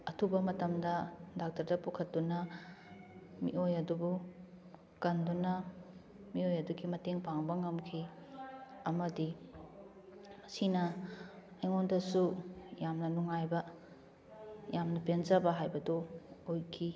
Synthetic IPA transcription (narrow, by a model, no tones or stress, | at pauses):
ɐtʰubɐmɐtɐmdɐdak̚tɐɾdɐpukʰɐt̚dunɐ | mḭʔojɐdubu | kɐndunɐ | miojɐduɡimɐteŋpaŋbɐŋɐmkʰi | ɐmɐdi | mɐsinɐ | ɐjŋondɐsujamnɐnuŋajbɐ | jamnɐpenzɐbɐɦajbɐdoojkʰi